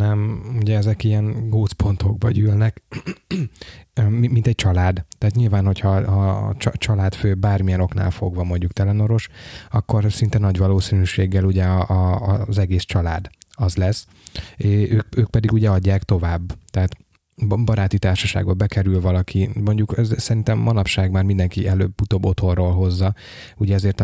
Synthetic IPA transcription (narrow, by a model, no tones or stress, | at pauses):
nɛmuɟɛɛzɛkijɛnɡoːt̪spo̞nt̪ʰo̞ɡ̚bɒɟyːlnɛk | mint̪ɛc̚t͡ʃɒlaːd̪t̪ɛːt̪ɲilvaːnho̞chɒhɒ̰t͡ʃt͡ʃɒlaːt̪føːbaːrmijɛno̞kna̰ːlfo̞ɡvɒmo̞ɲɟukt̪ɛlɛno̞ɾo̞ʃɒkːo̞rsint̪ɛnɒɟʋɒloːsinyːʃeːɡːɛluɟɛɒːzɛɡeːst͡ʃɒlaːd̪ɒzlɛs | eøːkøːk̚pɛd̪iɡuɟɛɒɟːaːkt̪o̞vaːbːt̪ɛɦːt̪ | bɒɾaːt̪it̪aːrʃɒʃa̰ːɡod̪̚bɛkɛɾylvɒlɒkʰimo̞ɲɟukɛzsɛɾint̪ɛmmɒnɒpʃaːɡmaːrmind̪ɛŋkiɛløːbːut̪oːbːo̞t̪ʰo̞rːoːlɦo̞zːɒ | uɟɛɒzeːrt̪